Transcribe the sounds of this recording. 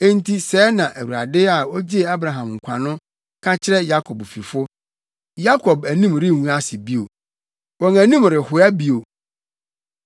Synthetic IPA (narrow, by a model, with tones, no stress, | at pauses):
e˦n˦tʰi˦sɛː˦nã˨ʔæ˨wu˨ɾa̰˨dɪ˦a˨ɔ˦d͡ʑi˦˨a˦bɾa˨ɦã˨mŋ̩˨kʷʰa˨nʊ̃˦ | kʰa˦t͡ɕʰɪ˦ɾɛ˦ja˦kʰɔ˨bfi˨fʊ˦ | ja˦kʰɔ˨bæ˨nĩ˦mɾɪ˦˨wũ˦a˦sɪ˨bi˦o˨ | wɔ̃˨ŋæ˨nĩ˦mɾɪ˨hʊ˨æ˦bi˦o˨